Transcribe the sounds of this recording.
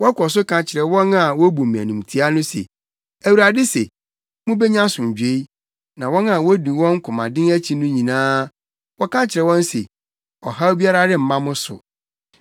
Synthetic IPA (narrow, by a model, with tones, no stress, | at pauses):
wɔ˦kɔ˨s̬ʊ˦kʰã˨t͡ɕʰɪ˨ɾɛ˨wɔ̃˦na˨wɔ˦bu˨mĩ˨æ̰˨nũ˨m˨tʰi˦a˦nʊ̃˦sḛ˨ | æ˨wu˨ɾa˨dɪ˦se˨ | mʊ̃˦bɛ˦ɲã˦sʊ̃˨d͡ʑᶣe˦i˦ | nã˨wɔ̃˦na˨wɔ˦du˨wɔ̃˦ŋ̩˦kʰʊ̃˨mã̰˨dɪ̃˦ŋæ˦t͡ɕʰi˨nʊ̃˦ɲĩ˨nãː˦ | wɔ˦kʰã˦t͡ɕʰɪ˨ɾɛ˨wɔ̃˦n˦sḛ˨ | ɔ˨ha˦bi˦a˦ɾa˦dɪ˦m̩˨mã˦mʊ̃˦sʊ̰˨